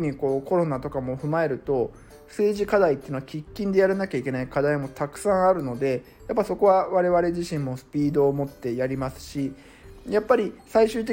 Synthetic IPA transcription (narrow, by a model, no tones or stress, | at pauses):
ɲ̟iko̞ːko̞ɾo̞nat̪o̞kamo̞ɸɯ̟mae̞ɾɯ̟t̪o̞ | sɨːʑikad̪ait̪ːeɯnoakʲikʲːĩnd̪e̞jaɾanakʲaikʲe̞naikad̪aimo̞t̪akɯ̟̥sãɰ̃aɾɯ̟no̞d̪e̞ | japːaso̞ko̞βaβaɾe̞βaɾe̞ʑiɕĩmːo̞sɨ̥pʲiːd̪o̞ːmo̞t̪ːe̞jaɾʲimasɨ̥ɕi | japːaɾʲisaiɕɨːt̪̬e